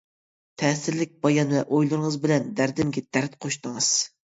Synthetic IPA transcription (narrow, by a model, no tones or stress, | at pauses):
t̪ʰɛːsɪɾlɪk̚ʲbɑjɑnɨvɛʔojlˠɨɾŋəzbɪlɛnd̪æɾd̪ɪmɡʲɛd̪̥æɾt̪̚qʰoʃt̪ɨŋɨz̥